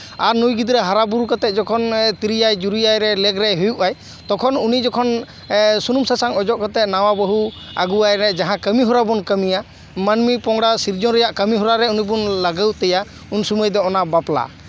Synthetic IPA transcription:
aɾnujɡid̪iɾɛɦaɾabuɾukɔt̪ɛt̪̚d͡ʒɔkʰɔnt̪iɾijajd͡ʒuɾujajɾɛlɛɡɾɛɦujuʔaj | t̪ɔkʰɔnunid͡ʒɔkʰɔn | sunumsasaŋɔd͡ʒɔʔkɔt̪ɛʔ̪̚nawabəɦu | aɡuajɾɛd͡ʒaɦãkəmiɦɔɾabɔnkəmija | manmipɔŋɽasiɾd͡ʒɔɾɛjaʔkəmiɦɔɾaɾɛunibunlaɡəwt̪ɛja | unsuməjd̪ɔɔnabapla̰

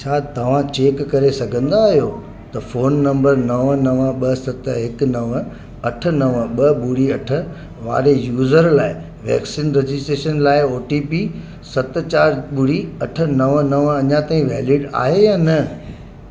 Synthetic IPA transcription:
t͡ɕʰaːt̪ɐʋ̤ãt͡ɕeːkːɐɾesɐɡʱə̃nd̪aːɦijo | t̪ɐfoːnːɐ̃mbəɾnɐʋnɐʋɓɐsɐt̪ɦɪknɐʋ | ɐʈʰə̆nɐʋɓɐɓʊɽ̤iɐʈʰə̆ | ʋa̰ːɾejuːzəɾlaːɪ | ʋɛ̰ːksiːnɾed͡ʑɪsʈɾeːʃənlaːɪoːʈiːpi | sɐt̪̆t͡ɕaːɾɓʊɽiɐʈʰə̆nɐʋnɐʋɐɲãt̪aːĩʋɛːlɪɖa̰ːɦejaːnɐ

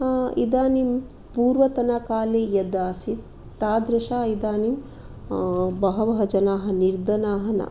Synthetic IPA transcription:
ḭd̪aːnim | puːɾʋɐt̪ɐnɐkaːleːjɐd̪aːsi | t̪aːd̪ɾɐʃaːid̪aːnim | bɐɦɐʋɐɦɐd͡ʒɐnaːɦɐ̆niɾd̪ɐnaːɦɐnɐ̰

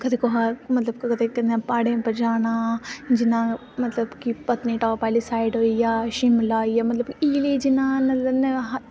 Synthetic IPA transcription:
kɐt̪ʰeːkoɦamɐt̪ləb̚kkɐt̪ʰeːk̪ɐnãpaːɽẽːpɐɾd͡ʒaːñaːd͡ʒɪnãː | mɐt̪lɐbkipɐt̪niːʈaːpaːlisaːɪɖɦoːijaːʃimlaːijaːmɐt̪ləbiːled͡ʒɪnãːnɐɐnɦ

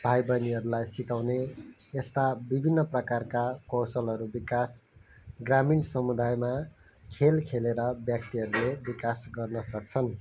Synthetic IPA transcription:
b̥ʱajbʌniɦʌɾulajsikawneest̪abibʱinːʌprʌkarkakʌwsʌlɦʌɾubikasɡraminsʌmud̪ajma | kʰelkʰeleɾʌbjʌk̚t̪iɦʌɾulebikasɡʌrnʌsʌk̚t͡sʰʌn

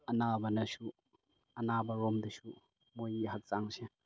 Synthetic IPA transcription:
ɐnabɐnɐsu | ɐnabɐɾɔmdɐsu | mojɦɐk̚t͡ʃaŋse

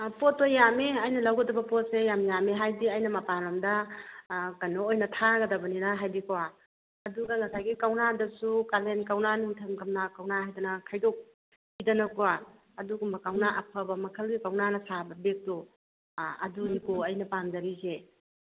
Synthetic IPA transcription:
pɔtːojameɐjnɐlawɡɐdɐbɐpɔt̚sejamjameɦajdiɐjnɐmɐpalɐmdɐ | kanoojnɐtʰaɡɐdɐbɐninaɦajbikʰawa | ɐduɡɐŋɐsajɡikawnadɐsukalenkawnaniŋtʰɐmkɐmnakawnaɦajdɐnɐkʰajdɔk̚ | bidɐnɐkwa | ɐduɡumbɐkawnaʔɐpʰɐbɐmɐkʰəlɡikawnanɐsabɐbek̚to | ɐ̰dunikoɐjnɐpanzɐɾize

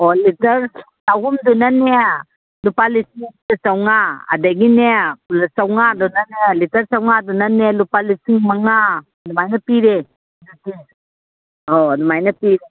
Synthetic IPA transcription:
ɔlitɐɾ | sawɦumdunane | lupalisiŋsawŋaa̰daɡinesawŋadɔnanelitɐɾsawŋadunanelupalisiŋmaŋa | dumajnɐpiɾe | duki | ɔdumajnɐpiɾe

